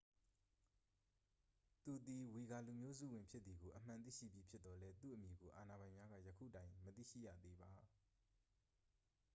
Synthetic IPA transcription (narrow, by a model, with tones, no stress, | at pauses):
t̪u˨d̪i˨wi˨ɡa˨lu˨mjo˦zṵ˦˨wɪ̃˨mpʰjɪ˦t̪̚ði˨ɡo˨ʔəm̥ã˨t̪ḭ˦˨ʃḭ˦˨bji˦pʰjɪ˦t̪t̪ːɔ˨lɛ˦t̪ṵ˦˨ʔəmji˨ɡo˨ʔa˨na˨bã˨ɪ̃mja˦ɡä̰˦˨jəkʰṵ˦˨tã˦ɪ̃mət̪ḭ˦˨ʃḭ˦˨ja̰˦˨d̪ðe˦ba˨